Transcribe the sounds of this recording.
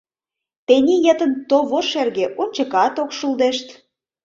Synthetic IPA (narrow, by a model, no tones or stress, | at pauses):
t̪enʲijet̪ənt̪oβoʃerɣĕʔonʲt͡ɕə̆kɑt̪okʃuld̪eʃt̪